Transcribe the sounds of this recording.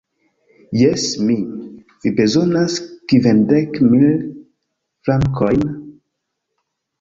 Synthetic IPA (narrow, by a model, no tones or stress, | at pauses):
jesmi | vibezo̞naskivendekmil | flaŋkʰojn